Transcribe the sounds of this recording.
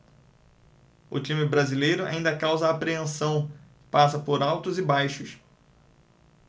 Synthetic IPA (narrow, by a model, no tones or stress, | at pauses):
ʊ̰t͡ʃĩmɪbɾazilejɾʊa̰ĩnd̪ɐkawzɐːpɾeẽsɐ̃w̃ | pasɐpoɾawt̪ʊzɪbajʃʊs